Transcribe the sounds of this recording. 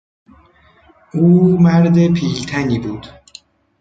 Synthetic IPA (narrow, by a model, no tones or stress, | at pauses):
uːmæɾd̪e̞pʰiːlt̪ʰæniːbuːd̪̥